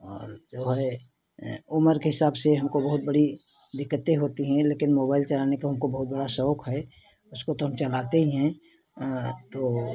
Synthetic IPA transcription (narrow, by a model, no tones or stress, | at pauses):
ɔ̰ːɾd͡ʒoːɦɛ | ʊməɾkeɦɪsaːbseɦɐmkobəɦʊt̪̚bəɽi | d̪ɪkːət̪eɦoːt̪iɦɛ̃leːkɪnmoːbaːɪlt͡ʃɐlanekaɦɐmkobɐɦʊt̪̚bəɽasɔokɦɛ | ʊskot̪oɦəmt͡ʃəlaːt̪eɦiɦɛ̃ | t̪oː